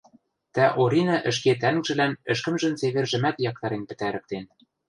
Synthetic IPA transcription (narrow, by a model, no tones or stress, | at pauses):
t̪æʔoɾʲinɑʔɘ̆ʃ̬ket̪̬æŋʒɘ̆lænɘ̆ʃkɘ̆mʒɘ̆nt͡seβɘ̆rʒɘ̆mæt̪jɑk̚t̪ɑɾenpɘ̆t̪æɾɘ̆k̚t̪en